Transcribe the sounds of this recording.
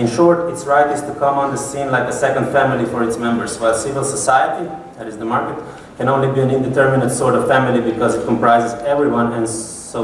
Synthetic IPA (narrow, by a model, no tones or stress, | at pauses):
ɪ̃nʃɔɹtɪtsɹaɪtɪz̥tukʰʌ̃mə̃nðəsĩnlaɪkəsɛkə̃nd̥fæmɪlˠifɔɹɨtsmɛ̃mbə˞zwaɪlˠsɪvɪlˠsəsaɪəti | ðæɾɪzðəmaɹkɨt̚ | kɨ̃nõʊ̃nlibiɨ̃nɪ̃ndɨtʰɜɹmɪnədsɔɹɾʌv̥fæmɪlibɨkɔzɨt̚kʰɔ̃mpɹaɪzɨzɛvɹiwʌ̃nɨ̃n | o